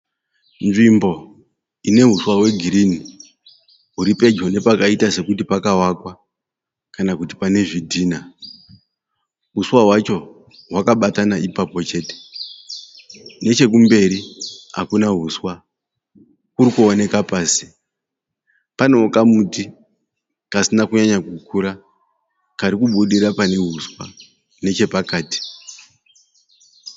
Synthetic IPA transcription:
nʐimbo̞ | ine̞ɦuswaɦwe̞ɡʱiɾini | ɦuɾipe̞d͡ʒone̞pakaitase̞kutipakawakwa | kanakuti̥pane̞ʐidʱiːna | ɦuswaɦwat͡ʃo̞ | ɦwakaɓatanaʔipapo̞t͡ʃe̞ːte̥ | ne̞t͡ʃe̞k̬umbe̞ɾiɦa̰kunaɦuswa | kuɾikuone̞kapaːsi̥ | pano̞kamuti | kasinakuɲaɲakukuɾa | kaɾikuɓuɗiɾapane̞ɦuswa̰ | ne̞t͡ʃe̞pakaːti̥

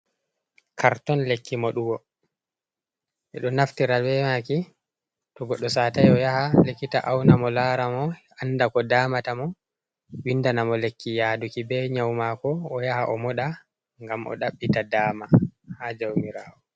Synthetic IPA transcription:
kʰaɾtɔnlekʰːimɔɗuɡɔ | ʔɛɗɔnaftiɾawɛmaki | tɔɡɔɗːɔsaːtajɔjahalekːitaʔawnamɔlaɾamɔʔanːdakɔdaːmatamɔ | windanamɔlekʰːijadukibɛɲawmakɔːjahaʔɔmɔɗa | ŋɡamʔɔ̰ɗaɓːitadaːmahad͡ʒawmiɾaːɔ

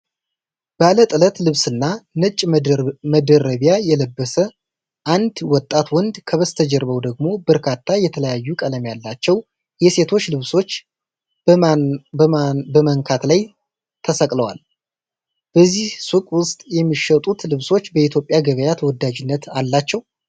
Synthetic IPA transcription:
b̥alət̪ʼɨlət̪lɨβsɨnːanɨt͡ʃʼːməd̪əɾəβjajɛləbːəsə | ʔand̪wɔt̪ʼːat̪wɔnd̪kʰəβəst̪ʰəd͡ʒɛɾβəwd̪əɡ̚mo̞bəɾkʰat̪ʰːajɛt̪ʰələjajːukʼələmjalːat͡ʃːɛw | jɛse̞t̪ʰo̞t͡ʃːlɨβso̞t͡ʃː | bəməŋkʰat̪laj | t̪ʰəsəkʼləwal | b̥əzːihsukʼwʊst̪ʼjɛmːiʃət̪ʼut̪lɨβso̞t͡ʃːbəit̪ʰjo̞pʼjaɡəβəjat̪ʰwɔd̪ːad͡ʒɪnːət̪alːat͡ʃːɛw

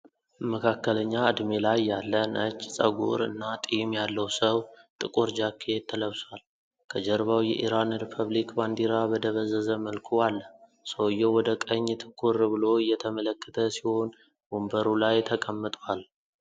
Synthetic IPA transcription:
məkʰakːələɲːaɨd̪melajːalːənʔət͡ʃːsʼəɡṵɾɨ̰nːat̪ʼimjalːəwsəwt̪ʼɨkʼuɾd͡ʒakʰːet̪ʰːələβswal | kʰəd͡ʒəɾβawjɛʔḭɾanɾipʰəβlikband̪iɾabəd̪əβəzːəzəməlkʰualːə | səwɨjːɛwɔd̪əkʼəɲːt̪ʰɨ̥kʰʼːuɾbɨlo̞ɨjːɛt̪ʰəmələkːə̥t̪ʰəsiho̞n | bumbəɾulajt̪ʰəkʼəmːɨt̪ʼwal

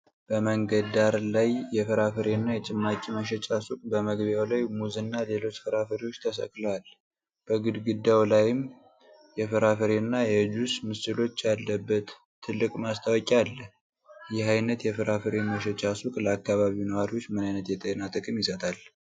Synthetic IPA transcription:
b̥əməŋɡəd̪aɾlajːɛfɨɾafɨɾenːajɛt͡ʃʼɪmːakʼiməʃ̬ɛt͡ʃʼasukʼbəməɡβjawlajmuzɨnːale̞lo̞t͡ʃːfɨɾafəɾewot͡ʃːt̪ʰəsə̰kʼləwal | b̥əɡɨd̪ɡɨd̪ːawlajɪm | jɛfɨɾafɨɾenːajɛd͡ʒusmɨsɨlo̞t͡ʃːalːəbːət̪ʰː | ɨlːɨkʼmast̪ʰawɔkʼalːə | jɪhajnət̪jɛfɨɾafɨɾeməʃɛt͡ʃʼasukʼləakːaβaβiwunəwaɾiwot͡ʃːmɨnajnət̪jɛt̪ʼenat̪ʼɨkʼɨmjɪsət̪ʰʼal

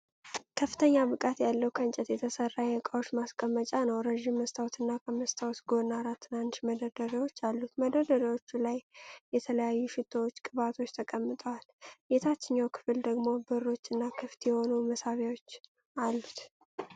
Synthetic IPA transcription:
kʰəfːɨt̪ʰəɲːabɨkʼat̪jalːəwkʰənt͡ʃʼɛt̪jɛt̪ʰəsərːajɛɨkʼawo̞t͡ʃːmaskʼəmːət͡ʃʼanəwɾəʒimːəst̪ʰawt̪ɨnːakʰəməst̪ʰawt̪ɡo̞naɾat̪ʰːɨnanʃməd̪əd̪əɾiwo̞t͡ʃːalːut̪məd̪əd̪əɾiwot͡ʃːulajjɛt̪ʰələjajːuʃɪt̪ʼːowot͡ʃːkʼɨβat̪ʰo̞t͡ʃːt̪ʰəkʼəmːɨt̪ʼəwaljet̪ʰat͡ʃːɪɲːawkʰɨ̥fɨld̪əɡmo̞bɨɾo̞t͡ʃːɨnːakʰɨft̪jɛho̞numəsaβawo̞t͡ʃː | alːut̪

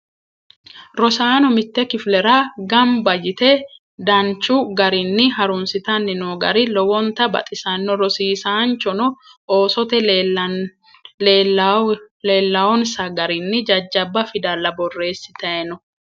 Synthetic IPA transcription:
ɾɔsaːnɔmɪt̪ːɛkɪflɛɾaɡɐmbɐjɪt̪ɛ | d̪ɐnt͡ʃːʊɡɐɾɪnːɪhɐɾʊnsɪt̪ɐnːɪnoːɡɐ̰ɾɪlɔwɔnt̪ɐbɐ̰t̪ʼɪsɐnːɔɾɔsiːsaːnt͡ʃːɔnɔʔoːsɔt̪ɛ | leːlːɐwɔnsɐɡɐɾɪnːɪd͡ʒɐd͡ʒːɐbːɐfɪd̪ɐlːɐbɔrːe̞ːsːɪ̥t̪ɐɛnɔ

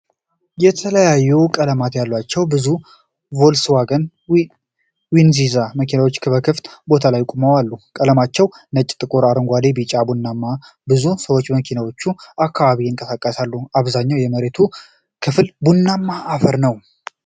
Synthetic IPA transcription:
jɛt̪ʰələjajːɛwkʼələmat̪jalːwat͡ʃːɛwbɨzu | vo̞lswaɡən | winzizaməkʰinawo̞t͡ʃːkʰɨβəkʰɨft̪ʼbo̞t̪ʰalajkʼuməwalːukʼələmat͡ʃːɛwnət͡ʃʼːt̪ʼɨkʼuɾaɾɨŋɡʷad̪ebit͡ʃʼabunːamːa | bɨzusəwo̞t͡ʃːməkʰinawo̞t͡ʃːuakʰːaβaβiɨŋkʼəsakʼːəsalːuaβzaɲːawjɛməɾet̪ʰu | kʰɨflbunːamːaːfəɾnəw

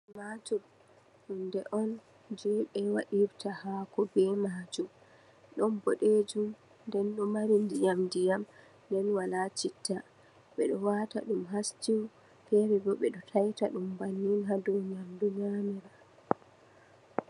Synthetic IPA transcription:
mad͡ʒum | ɗundɛʔɔn | d͡ʒɛɓɛwaɗiɾtahakɔbɛmaːd͡ʒum | ɗɔnbɔɗed͡ʒum | ndɛnɗɔmaɾindijamdijam | ndɛnwalat͡ʃitːa | ɓɛɗɔwataɗumɦast͡ʃiw | fɛɾibɔɓɛɗɔtʰajtaɗumbanːinɦadɔwɲamduɲamiɾa

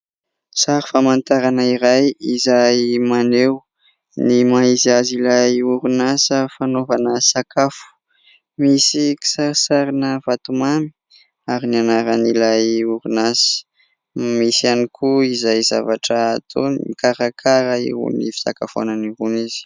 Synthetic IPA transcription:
saɾifamant̪aɾanəiɾajizajmanew | nimaizazilajuɾunasəfanovanəsakafu̥ | misiki̥saɾsaɾinəvat̪umami̥ | aɾinianaɾanilajuɾunasə̥ | misianikʰuizajza̰vaʈ͡ʂət̪ʰoniikaɾakʰaɾaḭṵnḭfi̥t̪a̰ka̰fa̰naniɡuniz̥i̥

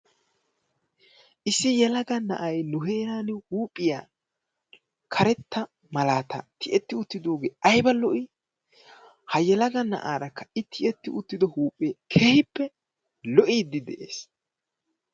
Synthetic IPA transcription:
ʔɪsːɪjɛlɐɡɐnɐ̰ʔɐjnʊɦeːɾaːnɪhuːpʼːɪjaː | kʰɐɾɛt̪ʰːɐ | mɐlaːt̪ɐ̰t̪ʰɪʔɛt̪ːɪʊt̪ːɪd̪oːɡeːʔɐjbɐlɔʔi | hɐjɛlɐɡɐnɐ̰ʔaːɾɐkːɐ̥ɪt̪ʰːɪɛt̪ːɪʔʊt̪ːɪd̪ɔhuːpʼːeːkʰeːhɪpːɛ | lɔʔiːd̪ːɪd̪ɛʔḛːs

